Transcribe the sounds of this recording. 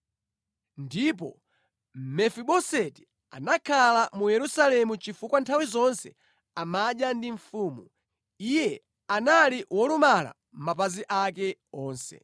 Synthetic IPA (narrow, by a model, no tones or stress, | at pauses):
ndip̬ɔ | mɛfiɓɔsɛti̥ | a̰nakʰalamujɛɾusalɛmut͡ʃifukwantʰawizɔnsɛ | amaɗjandiɱfuːmu | ijɛ | analiwɔlumala̰ | m̩mapaziʔakɛɔːnsɛ̰